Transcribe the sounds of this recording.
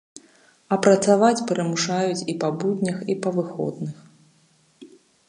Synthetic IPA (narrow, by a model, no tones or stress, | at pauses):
ɐpɾɐt̪savat͡sʲpʲɛɾɛmuʂajut͡sʲipɐbud̪ʲnʲɐxipɐvɨxɔ̰d̪nɨx